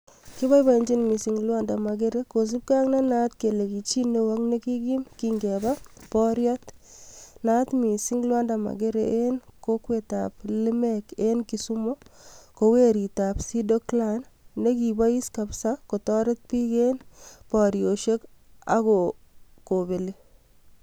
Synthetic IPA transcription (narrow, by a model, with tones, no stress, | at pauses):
ki˦βa˦jba˨i˨ɲd͡ʒi˦nmi˨si˨ŋlwa˦nda˨ma˨ɡe˦ɾe˦ko˨s̬i˦p̚ka˦ŋna˦na˦t̪ke˨le˨ki˨t͡ʃi˦ne˦wa˦kne˦ki˦ɡi˦mki˦ŋɡɛ˨ba˦pɔ˦ɾjɔ˦t | na˦t̪mi˨si˦ŋlwa˦nda˨ma̰˨ɡe˦ɾeʔe˦nko˦kwe˨ta̰plɪ˦mɛ˦ke˦nki˨su˦mo˦ko˨we˦ɾi˨ta˨psi˦do˦klanːe˦ki˨ba˦i˦ska˨psa˦ko˨tɔ˦ɾɪ˦t̚pi˦ke˦npɔ˨ɾjo˨ʃe˦ka̰˦kɔ˨ko˨be˨le˦